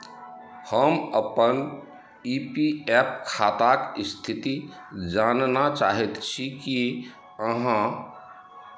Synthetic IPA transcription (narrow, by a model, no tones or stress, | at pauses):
həməpən | ipiɛp̚kʰat̪akist̪ʰit̪i | d͡ʒannat͡ʃaɦɛt̪t͡ʃʰiki | əɦã